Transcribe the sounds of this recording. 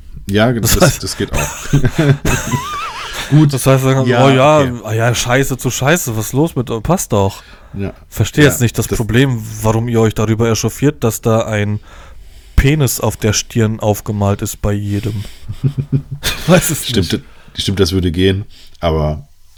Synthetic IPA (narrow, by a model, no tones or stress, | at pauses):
jaːɡd̥asaɪsd̥asɡ̥eːtaʊx | ɡ̥uːtd̥ashaɪstaɡoːjaːʔajaːʃaɪsət͡suʃaɪsəvasloːsmɪtɔpʰast̚d̥ɔx | ja | fɛɐʃteːəjɛt͡stnɪçt̚d̥aspʁ̥obleːmvaʁʊmiːɐɔʏçd̥aʁyːbɐɛʃɔfiːɐt̚d̥asd̥aːʔaɪn | pʰeːnɪsa̰ʊfd̥eːɐʃtʰɪɐnʔaʊfɡ̥əmaːltɪstb̥aɪjeːdəm | v̥aɪsɛsʃɪm | ʃtɪmt̚d̥asv̥ʏɐɾəɡeːənʔaːbɐ